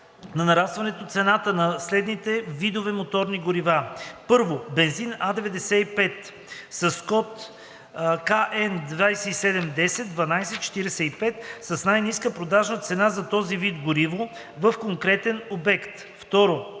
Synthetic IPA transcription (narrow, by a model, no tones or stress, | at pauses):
nɐnɐɾast̪vɐnɛt̪ot̪sɛnat̪ənɐslɛd̪nit̪ɛvid̪ovɛmot̪ɔɾniɡoɾivapɤɾvobɛnzinad̪ɛvɛd̪ɛsɛipɛt̪ | sɐskɔt̪ | kaʔɛnd̪vajsɛisɛd̪ɛmd̪ɛsɛt̪̚d̪vɐnajsɛtt͡ʃɛ̥t̪iɾɛsɛipɛt̪sɐsnajniskəpɾod̪aʒnət̪sɛnazɐt̪ɔzivid̪ɡʊɾivo | vəfkoŋkɾɛt̪ɛnobɛkt̪ | ft̪ɔɾo